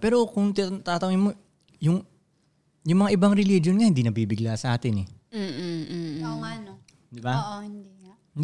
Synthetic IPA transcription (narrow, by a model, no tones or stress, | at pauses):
pɛːɾo̞kʊŋt̪ɪt̪aːt̪ɐŋɪnmo | jʊŋ | jʊŋmɐŋaʔɪbaŋɾɛlid͡ʒonŋɐhɪnd̪iːnɐbiːbɪɡlaːsɐʔaːt̪ɪnɛː | oŋɐno | d̪ɪbaoɪnd̪i